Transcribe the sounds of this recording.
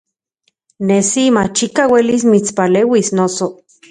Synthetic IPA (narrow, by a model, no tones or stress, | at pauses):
nesimat͡ʃikawelis̬mit͡spalewisnoso